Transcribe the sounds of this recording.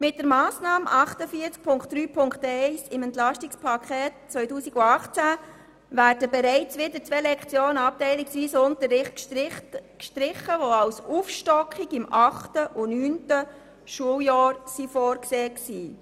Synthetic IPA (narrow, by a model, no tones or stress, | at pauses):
mɪt̚d̥əɾmɑːsnɑːmʔɑχtəfiːəɾt͡sk̚pʰʊŋkt̚d̥ɾyːpʰʊŋktɛɪsɪmɛnt̪lɑʃtɪkspʰɑkʰɛːtt͡sʋœʏtuːsiɡʊɑχt͡sæ | ʋæːɾdəbɛɾɛɪt͡sʋɪdəɾt͡sʋelɛkχt͡sjoːnəɑp̚tɛɪlɪksʋiːsʊntəɾːɪχt | kʃtɾɪχəʋoɑlsufʃtɔkχiɡɪmɑχtəʔʊnyːntə | ʃuəljɑːɾsifɔːɾkseːksiː